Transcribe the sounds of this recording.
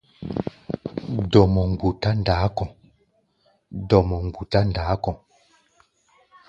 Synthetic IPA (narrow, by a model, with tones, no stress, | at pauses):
dɔ˨mɔ˨ŋ˨bu˨ta˦n˨daː˨˦kɔ̃˨ | dɔ˨mɔ˨ŋ͡mbu˨ta˦n˨daː˨˦kɔ˨